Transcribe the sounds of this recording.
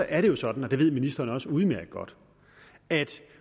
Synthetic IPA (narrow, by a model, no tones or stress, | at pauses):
ɒ̽ʔæɐɾe̝jo̝sɒ̽d̥n̩ɒ̽d̥e̝ʋe̝ð̞̰ˠminisd̥ɐːnəɒ̽səuð̞̩ˠmæɐɡ̥əɡ̥ɒ̽d̥ | æd̥